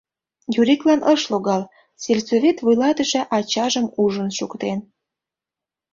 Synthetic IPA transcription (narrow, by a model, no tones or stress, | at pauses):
juɾiklɑnəʃloɣɑl | selʲsovʲet̪vujlɑt̪əʃĕʔɑt͡ɕɑʒəmuʒənʃukt̪en